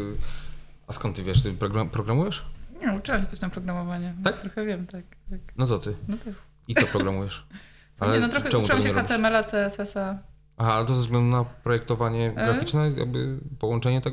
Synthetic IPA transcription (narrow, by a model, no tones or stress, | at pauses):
askɔ̃nt̪ːvʲjɛʂt̪ɘpɾɔɡɾapɾɔɡɾamujɛʂɲɛut͡ʂɨwamɕɛst̪ɔʃɕt̪ampɾɔɡɾamɔvaɲɛakt̪ɾɔxɛvʲjɛmt̪ak̪aknɔt̪ɔt̪ɘnɔt̪a | it̪ɔpɾɔɡɾamujɛʂ | alɛɛnɔt̪ɾɔxɛt͡ʃɛmut̪wɛamɡɛɲɛɾɔabiɛɛmɛlat̪sɛɛsɛsa | ʔaɦaalɛt̪ɔzɛzɡlɛnd̪unapɾɔjɛkt̪ɔvaɲɛɡɾafit͡ʂnɛja̰ɡ̚bɘ̰pɔwɔnt͡ʂɛɲɛt̪ɛɡ